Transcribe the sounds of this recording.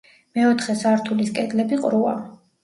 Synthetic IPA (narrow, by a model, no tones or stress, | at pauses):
mɛɔt̪ʰχɛsaɾt̪ʰuliskʼɛd̪lɛbiqʼɾua̰